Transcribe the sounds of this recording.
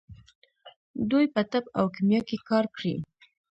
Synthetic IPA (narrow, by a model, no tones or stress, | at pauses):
d̪ujpət̪aba̰wkimjɑkekɑɾkɽḭ